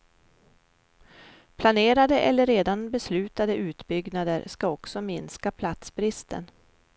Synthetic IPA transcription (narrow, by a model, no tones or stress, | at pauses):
pʰlaneːɾad̪əʔɛlːəɾːeːd̪anbɛslʉ̟ːt̪ad̪əʉ̟ːt̪bʏɡnad̪əɾʂkaɔksɔmɪnskapʰlat̪sbɾɪst̪ʰə̰n